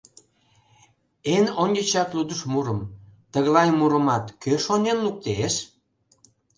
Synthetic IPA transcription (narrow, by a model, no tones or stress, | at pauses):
enonʲət͡ɕɑt̪lud̪əʃmuɾəmt̪əɣlɑjmuɾəmɑt̪køʃonenluk̚t̪eʃ